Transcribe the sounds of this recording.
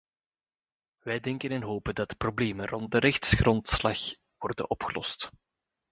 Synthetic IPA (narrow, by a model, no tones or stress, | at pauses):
ʋɛjdɛŋkənɛnɦoːpəndɑtə̥probleːmənrɔnt̚dəɾʔɛxtsɣrɔntslɑ̰x | ʋɔrdə̰nɔpxəlɔ̰st